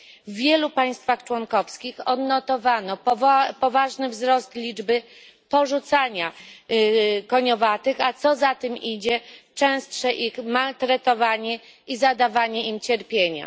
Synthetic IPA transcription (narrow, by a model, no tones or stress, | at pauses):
vːʲjɛlupaj̃st̪faxt͡ʂwɔŋkɔfskʲixɔd̪nːɔt̪ɔvanɔppɔvaʐnɘvzɾɔst̪lʲid͡ʐbɘ | pɔʐut̪saɲa | kɔɲɔvat̪ɘxat̪sɔzat̪ɘmid͡ʑɛt͡ʂɛ̃w̃st̪ʂɛʔixmalt̪ɾɛt̪ɔvaɲɛ | izad̪avaɲɛʔimt͡ɕɛɾpʲjeɲa̰